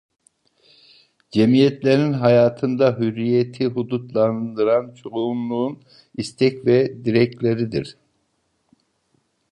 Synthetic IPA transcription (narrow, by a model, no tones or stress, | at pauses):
d͡ʒemijɛt̪lʲeɾinɦajaːt̪ʰɯnd̪aɦyɾːijet̪ʰiɦud̪ut̪lˠand̪ɯɾant͡ʃʰoumlˠuːn | ist̪ʰɛcvɛd̪iɾɛc̚lʲeɾid̪iɾ̥